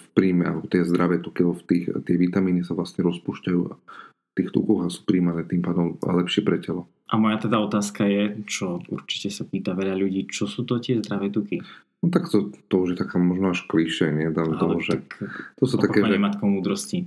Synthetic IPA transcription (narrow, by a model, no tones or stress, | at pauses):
fpɾiːmɛa̰lɛbɔt̪ɪɛzd̪ɾaʋɛːt̪ukiaɔft̪iːxt̪ɪɛʋit̪amiːnisaʋlast̪ɲɛɾɔspuːʃcajṵː | ft̪iːxt̪ṵkɔɣasu̥ːpɾiːmanɛːt̪impaːd̪ɔmlɛpʃɪɛpɾɛcɛlɔ | ʔamɔjat̪ɛd̪aɔt̪aːskajɛt͡ʃɔṵɾt͡ʃi̥cɛsapiːt̪aʋɛʎaʎuɟiːt͡ʃɔsuːt̪ɔt̪ɪɛzd̪ɾaʋɛːt̪uki | nɔt̪akt̪ɔt̪ɔuʒjɛt̪akaːmɔʒnɔaʃkliʃɛɲɛd̪at̪ɔʒɛt̪ɔsuːt̪akɛːɛɛmat̪kɔmuːd̪ɾɔsci